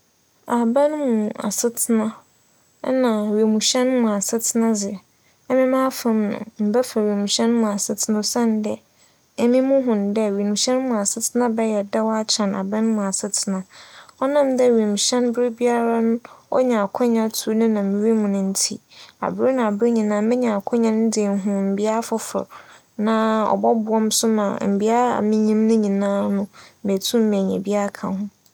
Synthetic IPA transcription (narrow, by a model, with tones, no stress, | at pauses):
a˨bã˦n˦mũ˨a̰˨sɪ˦tʰɪ˦nã˦ | nã˨ɥe˨mũ˨ɕɛ̃˦n˦mʊ̃˨a˨sɪ˦tʰɪ˦nã˦d͡zɪ˨ | ɛ˦mɪ̃˦mãː˦fã˦mnʊ̰̃˨m̩˨bɛ˦fa˨ɥe˨mũ˨ɕɛ̃˦n˦mũ˨a˨sɪ˦tʰɪ˦nã˦sã˦n˦dɛ˨ | ɛ˦mĩ˦mʊ̃˦ɦʊ̃˨ndɛ˦˨we˨mũ˨ɕɛ̃˦n˦mʊ̃˨a˨sɪ˦tʰɪ˦nã˦bɛ˦jɛ˨dɛ˦wa˦t͡ɕʰã˨na̰˨bã˦n˦mũ˨a˨sɪ˦tʰɪ˨nã˨ɔ˦nã˦˨mdɛ˦ɥi˨m˨ɕɛ̃˦nbɾɪ˦bi˦a˦ɾa˦nʊ̃˦ɔ̰˦ɲã˨kʰɔ̃˦ɲã˦tʰu˦nɪ̃˦nã˨mɪ̃˨wi˦mʊ̃˨nʊ̃˨n̩˦tʰḭ˦a̰˨bɾɪ˦nã˨a˨bɾe˦ɲĩ˨nãː˦mɪ̃˦ɲã˨kʰɔ̃˦ɲã˦n˦dɪ˨n˦ɦʊ̃˨m̩˨bi˦a˦fʊ˦fʊ̰˨ɾ | nã˨ɔ̰˨bɔ˦bʊ˨ɔ̃˦m˦sʊ˦mã̰˨m̩˨bi˦a˦ɾa̰˨mɪ̃˦ɲĩ˦mnʊ̃˦ɲĩ˨nãː˦nʊ̃˦me˨tʰũ˦m̩˦mɛ̃˨ɲɛ̰̃˨bi˦a˦ɾa˦kʰã̰˨hʊ̃˦